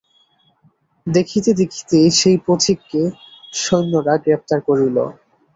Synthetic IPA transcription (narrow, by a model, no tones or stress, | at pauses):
d̪ekʰit̪ed̪ekʰi̥t̪eʃejpɾot̪ʰikːeʃojnːoɾaɡɾep̚t̪aɾkoɾilo̰